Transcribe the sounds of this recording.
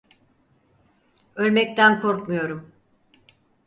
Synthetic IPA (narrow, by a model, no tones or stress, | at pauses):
ø̞lʲmɛc̚t̪ʰænkʰoɾkmujo̞ɾum